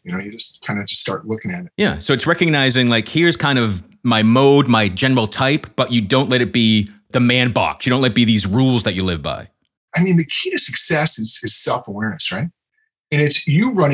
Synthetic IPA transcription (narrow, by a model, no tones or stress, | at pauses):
jɨnoʊjɨd͡ʒʌskʰãɪ̃ndɨd͡ʒʰʌ̥sstɑ̰ɹtˡlʊkɪ̃ŋɨɾ̚jæ̰soʊɨtsɹɛkɨɡ̚naɪzɪ̃ŋlaɪkhiɹz̥kʰãɪ̃ndʌv | maɪmoʊd̚maɪd͡ʒɛnə˞l̩ˠtʰaɪpb̥ʌt͡ʃɨdõʊ̃nʔˡlɛɾɨt̚b̥i | ðɨmæ̃nbɑ̰ksjɨdõʊ̃nʔlɛt̚b̥iðizɹulˠzðɨt͡ʃɨlɪvba̰ɪ | aɪmĩnðɨkʰiɾɨsɨksɛsɨz̥ɨz̥sɛlˠfəwɛɹnɨsɹaɪt̚ | ɨ̃nɨtsjɨɹʌ̃ñ